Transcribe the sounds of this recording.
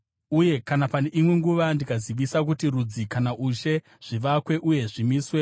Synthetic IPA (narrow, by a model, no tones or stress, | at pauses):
uje̞kanapane̞ʔimwe̞ŋɡuʋandikaziʋisak̬utiɾud͡zikanaʔuʃe̞ | ʐ̥iʋakwe̞ʔuje̞ʐimiswe